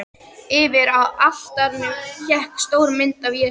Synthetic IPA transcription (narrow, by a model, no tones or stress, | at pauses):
ɪːvɪɾawal̥t̪aɾnʏçɛhkst̪oːwɾmɪnt̪avjɛ